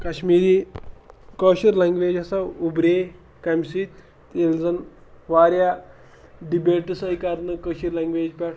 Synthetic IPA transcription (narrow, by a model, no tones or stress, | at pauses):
kaɕmiːɾi | kəɕiɾlãŋɡʋed͡ʑasaubɾe | kamsit̪ː | eld͡zən | ʋaɾja | ɖibeʈsəjkaɾnəkəɕiɾlaŋɡʋed͡ʑpɛɽ